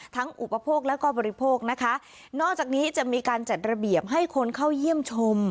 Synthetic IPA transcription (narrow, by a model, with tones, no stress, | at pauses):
t̪ʰa˦˥ŋʔu˨˩pa˧pʰoː˥˩k̚lɛː˦˥wkɔː˥˩bɔː˧ɾi˦pʰoː˥˩k̚na˦˥kʰa˦˥ | nɔː˥˩k̚t͡ɕaː˨˩k̚niː˦˥t͡ɕa˨˩miː˧kaː˧nt͡ɕa˨˩t̪̚ɾa˧bi˨˩əp̚ɦa˥˩jkʰo˧nkʰa˥˩wji˥˩əmt͡ɕʰo˧m